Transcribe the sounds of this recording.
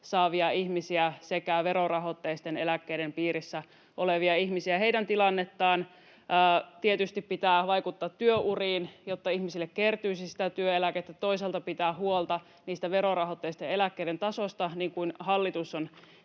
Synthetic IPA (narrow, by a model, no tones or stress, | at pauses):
sɑːʋiɑiçmisiæsekæʋeɾorɑhot̪ːeist̪enelækːeidempiːɾisːæ | ʔoleʋiɑiçmisiæheidænt̪ilɑnːet̪ːɑːnː | t̪iet̪yst̪ippit̪æːʋɑikut̪ːɑːt̪ːyøʔuriːnjot̪ːɑihmisilːekkert̪yːsisi̥t̪æt̪yøelæket̪ːæt̪o̞iselt̪ɑpit̪æːhuolt̪ɑ | niːst̪æʋeɾorɑhot̪ːeist̪eelækːeiɾent̪ɑsost̪ɑniːŋkuinhɑlːit̪uson